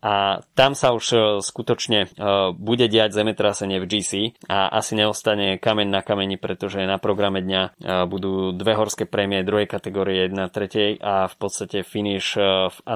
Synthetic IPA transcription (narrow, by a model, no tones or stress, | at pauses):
ʔat̪amsauʃskut̪ɔt͡ʃɲɛbuɟɛɟɪaɟzɛmɛt̪ɾasɛɲɪɛvd͡ʒiːsiːaʔa̰siɲɛɔst̪aɲɛkamɛɲnakamɛɲipɾɛt̪ɔʒɛnapɾɔɡɾamɛd̪ɲabud̪uːd̪ʋɛɦɔɾskɛːpɾɛmiɛd̪ɾuɦɛjkat̪ɛɡɔːɾiɛɛjɛd̪nat̪ɾɛcɛjʔafpɔt̪st̪acɛfiniʃa